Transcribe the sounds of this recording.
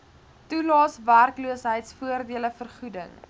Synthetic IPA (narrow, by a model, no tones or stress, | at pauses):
tulɑːsværkluəsɦəjtsfuərdiələfərχudə̰ŋ